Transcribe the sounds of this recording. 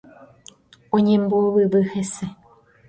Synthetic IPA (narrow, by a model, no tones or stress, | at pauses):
õɲẽmboβɨβɨhese